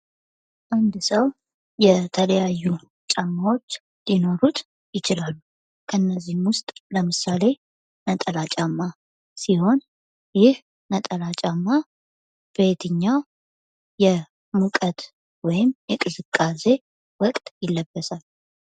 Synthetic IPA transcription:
ʔand̪səw | jɛt̪ʰələjajːu | t͡ʃʼamːawo̞t͡ʃː | d̪ino̞ɾut̪ | jɪt͡ʃɪlalː | kʰənːəzːihmwʊst̪ʼləmɨsale̞ | nət̪ʼəlat͡ʃʼamːa | siho̞n | jɪh | nət̪ʼəlat͡ʃʼamːa | b̥et̪ʰɨɲːaw | jɛ | mukʼət̪ | wɔjɪmjɛkʼɨzɨkʼːase̞ | wɔkʼt̪ʼjɪlːəbːəsal

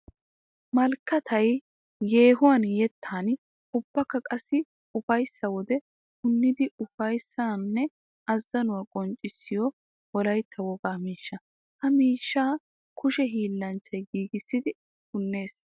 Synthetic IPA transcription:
mɐlkːɐt̪ʰɐj | je̞ːɦʊwɐnjɛt̪ʰːaːn | ʊb̥ːɐkːɐkʼɐsːɪ | ʊfɐjsːɐwɔd̪ɛ | hʊnːɪd̪ɪʊfɐjsːanːɛ | ɐzːɐnʊwaːkʼɔnt͡ʃʼːɪsːɪjɔ | wɔlɐjt̪ʰːɐwɔɡaːmiːʃːɐ | hɐmiːʃːaː | kʊʃɛɦiːlːɐnt͡ʃːɐjɡiːɡɪsːɪd̪ɪ | hʊnːe̞ːs

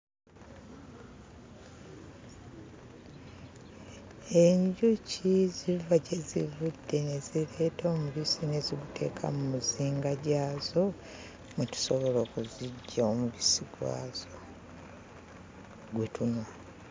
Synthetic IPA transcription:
e̞ɲɟucizivaɟe̞zḭvudːe̞ne̞zile̞ːtoːmuβisine̞ziɡutʰe̞̰ːkʰa̰mumuziːŋɡaɟaːzo̞ | mutu̥soβo̞lo̞ːkuziɟːaomuβisiɡwa̰ːzo | ɡwe̞tunwa

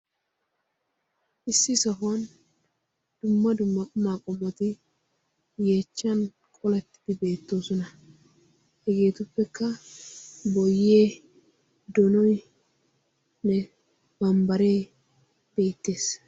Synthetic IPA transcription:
ʔɪsːɪsɐɦʊɐn | d̪̥ʊmːɐd̪ʊmːɐʊmaːkʼɔmɔt̪ɪ | jeːt͡ʃːɐn | kʼɔlɛt̪ːɪd̪ɪbe̞ːt̪ːo̞ːsɔnɐ | hɛɡe̞ːt̪ʊpːɛkːɐ | bɔjːeː | d̪ɔnɔj | nɛ | bɐmbɐɾe̞ː | b̥e̞ːt̪ːe̞ːs

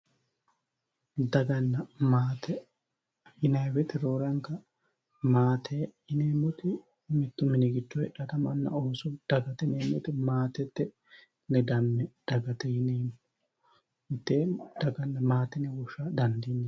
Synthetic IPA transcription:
d̪ɐɡɐnːɐmaːt̪ɛ | jɪnɐjwɛt̪ɪɾoːɾɐŋkɐ | maːt̪ʰeː | ɪneːmːʊt̪ɪ | mɪt̪ːʊmɪnɪɡɪt͡ʃːɔhɛᶑɐt̪ɐmɐnːɐ̰oːsʊd̪̥ɐɡɐt̪ɛneːmːʊt̪ɪmaːt̪ɛt̪ːɪ | nɛd̪ɐmːɛd̪̥ɐɡɐt̪ɛjɪneːm | mɪt̪ːeːd̪̥ɐɡɐnːɐmaːt̪ɛnɪwɔʃaːd̪ɐnd̪iːnɪ

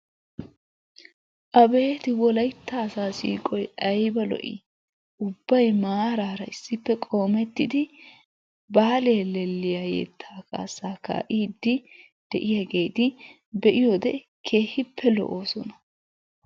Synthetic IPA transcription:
ʔɐbe̞ːt̪ɪwɔlɐjt̪ːaːsaːsḭːkʼɔjɐjbɐlɔ̰ʔɪ̰ | ʊbːɐjmaːɾaːɾɐɪsːɪpːɛkʼo̞ːmɛt̪ːɪd̪ɪ | baːleːlɛlːɪjaːjɛ̰t̪ʰːaːka̰ːsaːka̰ːʔiːd̪ːɪ | d̪̥ɛʔɪjɐɡe̞ːd̪ɪ | bɛʔɪjod̪ɛ | kʰe̞ːhɪpːɛlɔ̰ʔoːsɔnɐ̥

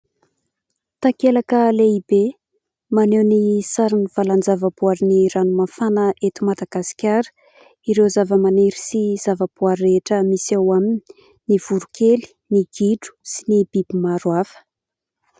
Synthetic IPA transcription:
t̪akelakəleibe | manewnisaɾiniv̥aland͡zavəbuaɾiniɾanumafanəʔet̪umad̪aɡ̥asi̥kʲaɾə̥ | iɾezavəmaneɾisiz̥avəb̥uaɾeʈ͡ʂəmisawamini | niv̥uɾukʰeli̥ | niɡ̥iɖ͡ʐu̥sinibib̥imaɾwafə̥

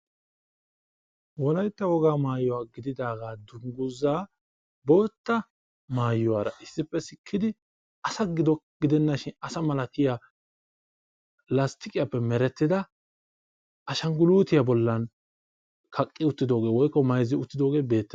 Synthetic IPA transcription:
wɔlɐjt̪ːɐwɔɡaːmaːjːʊwaːɡɪd̪ɪd̪aːɡaːd̪ʊŋɡʊzaː | bo̞ːt̪ːɐ | maːjːʊwaːɾɐ̰ʔɪsːɪpːɛsɪkʰːɪd̪ɪ | ɐsɐɡɪd̪ɔɡ̥ɪd̪ɛnːɐʃɪnɐsɐmɐlɐkɪja | lɐst̪ɪkʼɪjapːɛmɛɾɛt̪ːɪd̪ɐ | ʔɐʃɐŋɡʊluːt̪ɪjabɔlːɐn | kʰɐkʼːɪʊt̪ːɪd̪o̞ːɡe̞ːwɔjkːɔmɐjzːɪʊt̪ːɪd̪o̞ːɡe̞ːbe̞ːt̪ːɛ

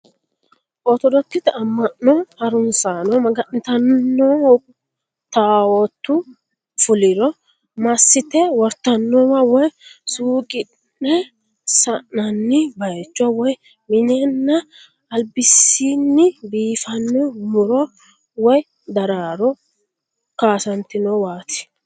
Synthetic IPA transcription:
ʔɔt̪ɔd̪ɔt̪ːɪt̪ɐmːɐʔɔhɐɾʊnsaːnɔmɐɡɐʔnt̪ɐnːɔ | t̪aːwɔt̪ːʊ | fʊlɪɾɔ | mɐsːɪt̪ɛwɔɾt̪ɐnːɔwɐwɔjsuːkʼɪ | nːɛ | sɐnɐnːɪbɐjɛt͡ʃːɔwɔj | mɪnɛnːɐː | lbɪsːiːnːɪbiːfɐnːɛmʊɾɔ | wɔj | d̪ɐɾaːɾɔ | kaːsɐnt̪ɪnɔwaːt̪ɪ̥

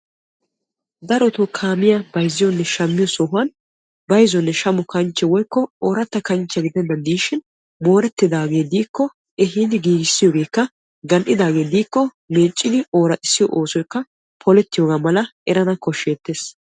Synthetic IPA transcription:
d̪ɐɾɔt̪ʊkʰaːmɪjɐbɐjzːɪjɔnːɛʃɐmːɪjɔsɔɦʊɐn | bɐjzɔnːɛʃɐmʊkɐnt͡ʃːɛwɔjkːɔoːɾɐt̪ːɐkɐnt͡ʃːɛɡɪd̪ɛnːɐd̪iːʃɪn | mo̞ːɾɛt̪ːɪd̪aːɡe̞ːd̪iːkːɔ | ɛɦiːd̪ɪɡiːɡɪsːɪjoːɡe̞ːkːɐ | ɡɐnʔɪd̪aːɡe̞ːd̪iːkːɔ | me̞ːt͡ʃʼːɪd̪ɪo̞ːɾɐt̪ʼɪsːɪjɔ̰ʔoːsɔjkːɐ | pʰɔlɛt̪ːɪjoːɡaːmɐlɐʔɛɾɐnɐkɔʃːe̞ːt̪ːeːs

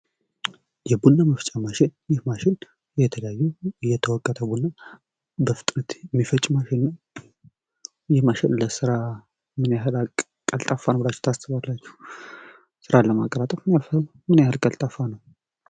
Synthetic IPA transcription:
jɛbunːaməft͡ʃʼamaʃɪnjɪhmaʃɪn | jɛt̪ʰələjajːujɛt̪ʰəwɔkʼːət̪ʰəbunːa | bəfɨt̪ʼɾət̪ɛmːifət͡ʃʼmaʃɪnːə | jɪhmaʃɪnləsɨɾa | mɨnjaɦɨlakʼ | kʼːəlt̪ʼafːanəbɨlat͡ʃːɛ̥wt̪ʰasɨβalːat͡ʃːɛ̥h | sɨɾaləmakʼːəɾat̪ʼəfmɨnjafə | mɨnjahəlkʼəlt̪ʼafːanəw

